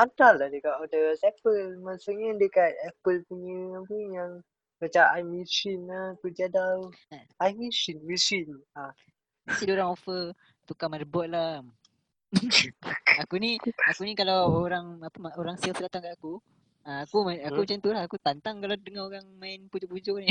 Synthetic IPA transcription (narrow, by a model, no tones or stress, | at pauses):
ant̪alːahdəkat̪odəsɛpəlmasuɲadəkat̪̚ɛpəlpuɲəapujaŋ | kət͡ʃaʔajmisinakəd͡ʒadalajmisinmisina | asidoɾaŋofə | t̪ukamaɾəbɔt̪̚la | akuniakunikalawoɾaŋapəmaoɾaŋsilsdat̪aŋkaʔaku | aakumaakumat͡ʃant̪ulahakut̪ant̪aŋkalawdəŋaoɾaŋmaɪnpud͡ʒopud͡ʒɔʔni